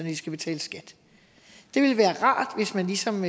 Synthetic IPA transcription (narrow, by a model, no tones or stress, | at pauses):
ndisɡ̥æb̥e̝t͡sʰɛ̰ːləsɡ̥æd̥ | d̥e̝ʋe̝lʋæːɐʁɑ̰̈ːd̥ʋe̝smænlisɒ̽m